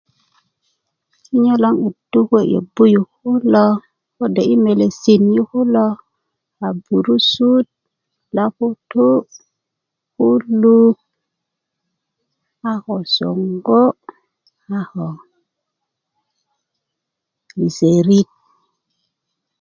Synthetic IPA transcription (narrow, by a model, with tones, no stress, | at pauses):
si˦ɲo˦lo˦ŋi˨du˦ke˦˨jḛ˨bu˦ju˨hu˦lo˦ | ko˦de˨ʔi˦me˨le˨si˨nji˦ku˦lo˦ | a˨bu˨ɾu˦su˦t̚ | la˦ku˦tu˦ | ku˦lu˦ | a˦xo˨so̰˨ŋɡo˦ | a˦xo˨ | li˨se˨ɾi˦t̚